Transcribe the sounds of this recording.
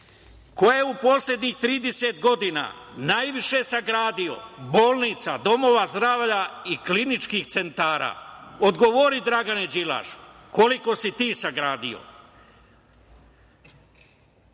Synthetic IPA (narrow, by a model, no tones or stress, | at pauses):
ko̞jeupo̞sʎe̞d̪ɲixt̪ɾiːd̪ese̞t̪ɡo̞d̪ina̰ːnajʋiʃe̞saɡɾaːd̪io̞̰boːlˠnit̪sad̪o̞mo̞ʋazd̪ɾaːʋʎaiklinit͡ʃkixt̪se̞nt̪aːɾa̰ːod̪ɡo̞ʋo̞ɾid̪ɾaɡaned͡ʑila̰ʃko̞liko̞sit̪iːsaɡɾaːd̪ḭo̰